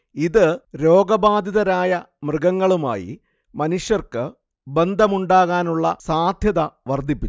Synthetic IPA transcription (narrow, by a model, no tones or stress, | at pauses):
iðɨɾo̞ːɡɐbaːd̪iðɐɾaːjɐ | mrɨɡɐŋːɐɭuma̰ːjḭ | mɐnuʂjɐrkɨ | be̞nd̪ʱɐmuɳɖaːɣaːnuɭːɐsaːd̪ʱjɐðɐʋɐrd̪ʱipːi